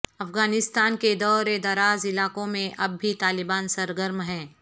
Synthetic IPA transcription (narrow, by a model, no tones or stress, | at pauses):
ɐfɡaːnɪst̪aːnked̪ɔːɾed̪ɐɾaːzɪlaːkõmẽʔɐbːit̪aːlɪbaːnsɐɾɡəɾmɦɛ̃ː